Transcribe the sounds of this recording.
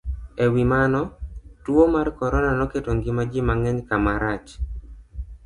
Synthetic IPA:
ewimanɔtwomarkɔɾɔnanɔketoŋɡɪmad͡ʒɪmaŋɛɲkamaɾat͡ʃ

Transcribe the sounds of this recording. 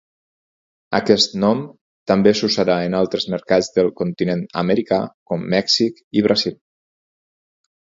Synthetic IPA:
ə̰kɛst̪nɔm | t̪əmbesusəɾaənalˠt̪ɾəzməɾkad͡zðəlˠkunt̪inenə̰məɾikakɔmːɛksikiβ̞ɾazilˠ

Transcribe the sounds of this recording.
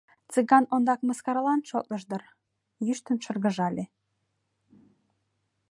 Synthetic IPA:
t͡sɨɣɑnond̪ɑkməskɑɾlˠɑnʃot̪lə̆ʃd̪ɤ̆r | jyʃt̪ə̆nʃə̆rɣə̆ʒɑlʲe

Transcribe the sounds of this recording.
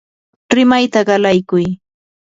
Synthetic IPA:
ɾɪmajt̪aɢɑlajkʊj

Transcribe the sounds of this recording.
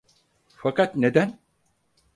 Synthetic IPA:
fakat̪ned̪æn

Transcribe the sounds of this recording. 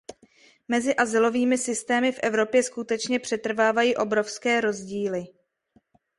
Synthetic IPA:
mɛzɪʔazɪlo̞viːmɪsɪst̪ɛːmɪfʔɛvɾo̞pjɛskut̪ɛt͡ʃɲɛpr̥ɛt̪r̩vaːvajiːʔo̞bɾo̞fskɛːɾo̞zɟiːlɪ

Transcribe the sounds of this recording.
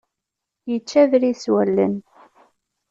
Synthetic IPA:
jət͡ʃːævɾiswælːə̰n

